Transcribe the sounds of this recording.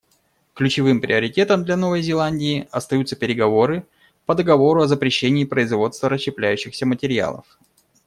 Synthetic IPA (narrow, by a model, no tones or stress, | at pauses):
klʲʉt͡ɕɪvɨmpɾʲʔɪəɾʲɪtʲe̞t̪əmd̪lʲɐno̞vəjzʲɪlˠanʲdʲɪːɐst̪ɐjut̪səpʲɪɾʲɪɡɐvo̞ɾɨ | pəd̪əɡɐvo̞ɾʊɐzəpɾʲɪɕːenʲɪːpɾəɪzvo̞t̪st̪vəɾəɕːɪplʲæjʉɕːɪxsʲəmətʲɪɾʲɪa̰lˠə̰f